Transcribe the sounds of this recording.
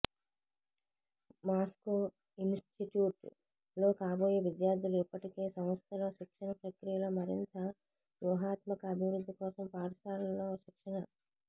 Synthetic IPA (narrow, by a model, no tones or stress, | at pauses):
maːsko | insʈiʈjuːʈ | lo̞ːkaːboːjeːʋid̪jaːɾd̪ʱiluipːɐʈike̞ːsɐmɐst̪ʰɐloːʃikʂɐɳɐpɾɐkɾijɐlomɐɾḭnt̪ɐ | ʋjuːɦaːt̪mɐkɐːbʱiʋɾud̪ʱːikɔːsɐmpaːɽɐsaːlɐmloːʃikʂɐɳɐ